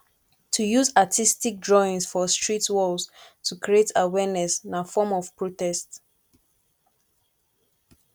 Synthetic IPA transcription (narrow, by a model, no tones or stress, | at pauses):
tʰujuzatʰistik̚dɹɔĩnsfɔstɹitwɔldtʰukʰɹietʰawɛnɛsnafɔmɔv̥pɹotɛst